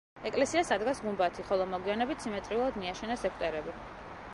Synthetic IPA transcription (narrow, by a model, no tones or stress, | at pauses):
ɛkʼlɛsiasad̪ɡasɡumbat̪ʰiχɔlˠɔmɔɡwianɛbit̪ʰsimɛt̪ʼɾiulˠad̪miaʃɛnasɛkʰt̪ʼɛɾɛbi